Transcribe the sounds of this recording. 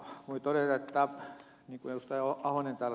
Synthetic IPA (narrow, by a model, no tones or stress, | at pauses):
muit̪oret̪ɑt̪ːɑ | niːŋkuejust̪ɑioɑhonent̪ɑl